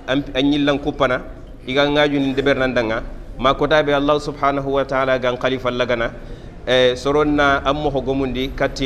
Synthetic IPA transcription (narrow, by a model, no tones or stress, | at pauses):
aɲilːaŋkupːana | iɡaŋːaɟunindɛbɛɾnandaŋːamakɔtaːbɛalːaːhsubħaːnaɦuwataaːlaɡaŋxalifalːaɡana | sɔɾonːaʔamːoxoɡomundikatːi